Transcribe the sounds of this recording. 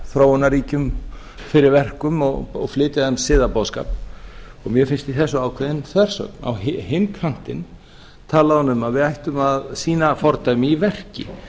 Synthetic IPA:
θɾoːwʏnːaɾiːcʏm | fɪɾɪɾvɛr̥kʏmɔɣɔɣflɪːt̪ɪaɛmsɪːðapowðska̰ːpɔɣmjɛfɪnst̪iθɛsːʏaːwkʰvɪðɪnθvɛr̥sœ̰kna̰wɦɪhɪnk̪ʰɾaŋ̥t̪ɪn | t̪ʰaːlaðɔnʏmaðvɪðajht̪ʏmaðsiːnafɔɾt̪ajmɪivɛr̥cɪ̰

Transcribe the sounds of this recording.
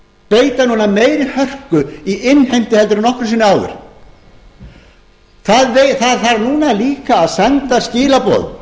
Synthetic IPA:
peːjt̪anuːnameːjɾɪhœr̥kʏiʔɪnːhejm̥t̪ɪhɛlt̪ʏɾɪnɔhkɾʏ̥siːnʏaːwðɪ̰ɾ̥ | θaðveθaðθaɾnuːnaɛliːkaːðsɛnt̪ascɪːlapɔ̰ð

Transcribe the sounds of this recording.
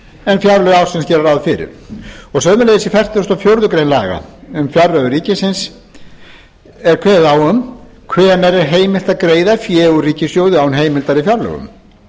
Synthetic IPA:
ɛnfjaɾlœɣawsɪnscɛːɾaɾawðfɪɾɪ̰ɾ̥ɔɣsœːmʏɾlejðɪsifɛr̥t̪ɪɔst̪ɔfjowɾðʏkɾejnla̰ːɣa̰ʏmfjarlœɣʏɾiːcɪsɪns | ɛɾkʰvɛːðawʏm | kʰvɛːnɛɾɛɾɦeːjmɪl̥t̪aðkɾeːjðafjɛːɣʏriːcɪsjoːwðʏawɛnɦeːjmɪlt̪aɾɪfjaɾlœ̰ɣʏ̰m

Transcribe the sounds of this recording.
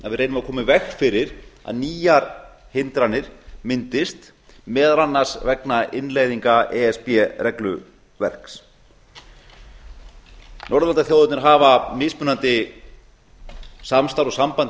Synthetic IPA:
a̰ðvɪðrejnʏmakʰɔːmɪvɛxfɪɾɪɾa̰ðniːjaɾhɪnt̪ɾanːɪɾ̥mɪnt̪ɪst̪ | mɛːðaɾanːaɾ̥svɛknaɪnleːjðiŋkaɛɛspjɛrɛklʏ | vɛr̥ks | nʔɔɾðant̪aθjoːwðʏt̪nɪɾɦaːvamɪːspʏnant̪ɪ | samst̪awɾɔɣsampant̪

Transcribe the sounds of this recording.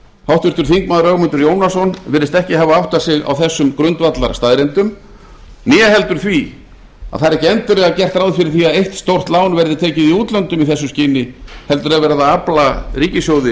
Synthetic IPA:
hawht̪vɪɾ̥t̪ʏɾ̥θiŋkmaːðɾœɣmʏnt̪ʏɾjoːwnasɔnvɪːɾɪst̪ɛhcɪɦavaawht̪ḁsɪɣa̰wθɛsːʏmkɾʏnt̪vat̪laɾ̥st̪aðɾent̪ʏm | njɛɦɛlt̪ʏɾ̥θvi | a̰ðθaɾɛcɪɛnt̪ɪlɛɣacɛr̥t̪awðɪfɪɾɪɾ̥θiaðejht̪st̪owr̥t̪laːwnvɛɾðɪt̪ʰeːcɪðiuːt̪lœnt̪ʏmiθɛsːʏmscɪːnɪhɛlt̪ʏɾaðvɛːɾaðaaplariːcɪsjoːwðɪ

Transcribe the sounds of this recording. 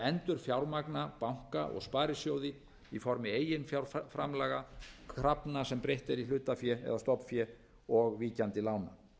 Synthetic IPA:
ɛnt̪ʏɾ̥fjawɾmaknapawŋ̥ka̰ʔɔ̰ɣspaːɾɪsjowðɪ | ifɔɾmɪeːjɪnfjawɾfɾamlɛɣakʰɾapnasɛmpɾejht̪ɛɾilʏːt̪afjɛɛ̰ðast̪ɔpfjɛ | ɔɣviːcant̪ɪlaːwna

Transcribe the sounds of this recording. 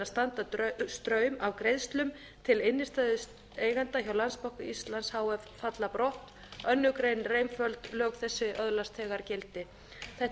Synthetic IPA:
ast̪ant̪atst̪ɾœːɥmavkɾejðst̪lʏm | t̪ʰɪlɪnːɪst̪aðʏs | eːjɣant̪açawlanspawhkʏist̪lanshaːwɛvfat̪lapɾɔht̪ | œnːʏkɾejnrejmfœlt̪lœːkθɛsːɪʔœðlast̪ʰɛːɣaɾcɛlt̪ɪ | θɛh

